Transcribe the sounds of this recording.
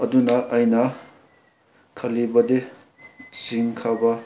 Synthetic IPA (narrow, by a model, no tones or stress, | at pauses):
ɐdunɐʔːjnɐ | kʰɐlibɐde | siŋkʰabɐ